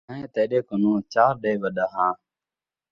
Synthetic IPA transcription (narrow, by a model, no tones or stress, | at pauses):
ẽːt̪eːɗeːkʊnũːt͡ʃaːɾɗeːʋəɗaːɦãː